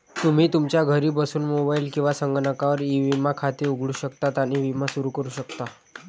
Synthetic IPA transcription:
t̪um̤iːt̪umt͡ɕjaɡʱəɾiːbəsuːnmobailkĩw̃ʋasəŋɡəɳəkaʋəɾiʋimakʰat̪iːuɡʱɭuːɕəkt̪at̪janiʋimasuɾukəɾuːɕəkt̪a

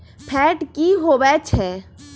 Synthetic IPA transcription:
pʰɛːʈkiɦoʋɛt͡ʃʰɛ

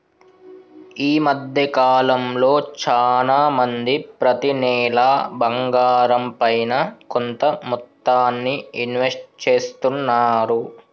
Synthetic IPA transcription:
iːmɐd̪ʱjɐkaːlɐmlo̞ːt͡ʃaːlaːmɐnd̪ipɾɐt̪inɛːlaːbɐŋɡaːɾɐmpɐjnɐkont̪ɐmut̪ːaːnːiinʋesʈ̚t͡ʃeːst̪unːaːɾu

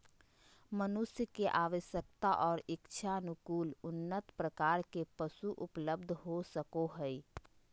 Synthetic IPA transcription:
mənʊsjəkeʔaːʋəʃjək̚t̪aʔɔːɾɪkt͡ʃʰanʊkuːlʊnːət̪pɾəkaːɾkepəsuʔʊpləb̚d̪ʱɦosəkoɦəi

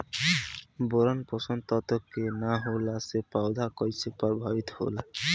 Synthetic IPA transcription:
boɾɔnpɔsɔnt̪ɔt̪ɔkːenaɦolasepaʊd̪ʱakɔjsʰepɔɾbʱabit̪ho̰la

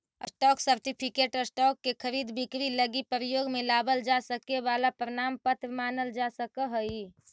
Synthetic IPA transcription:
əsʈɔːksəɾʈipʰɪkeːʈəsʈɔːkːekʰəɾiːd̪bɪkɾiləɡipɾəjoːɡmẽlaːbəld͡ʒasəkeʋaːlapɾəñaːmpət̪ɾmaːnəld͡ʒasəkəɦəi

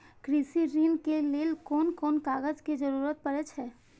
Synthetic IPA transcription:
kɾisiɾiːnkelelkɔːnkɔːnkaːɡəd͡ʒked͡ʒəɾuːɾət̪̚pəɾɛt͡ʃʰɦɛː

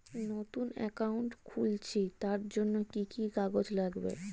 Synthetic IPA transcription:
not̪unɛ̰kauɳʈkʰult͡ɕʰit̪aɾd͡ʑonːokikikaɡod͡ʑlaɡbḛ

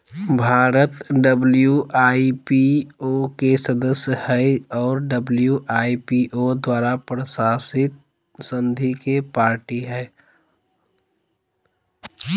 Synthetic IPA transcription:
bʱaːɾət̪ɖəbljuʔaːipiokesəd̪əsjəhɛɪɔːɾɖəbljuʔaːipiʔod̪waːɾapɾəsaːsɪt̪̚ | sə̃nd̪ʱikepaːɾʈiɦɛː

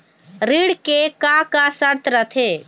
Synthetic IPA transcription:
ɾiɽkekakasəɾt̪ʰɾət̪ʰe

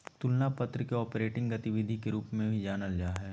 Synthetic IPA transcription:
t̪ʊlnapɐt̪ɾəkeɔːpɾeːʈɪ̃ŋɡɐt̪ɪʋɪd̪ʱikeɾuːpmẽbʱid͡ʒaːnəld͡ʒaːɦɛː

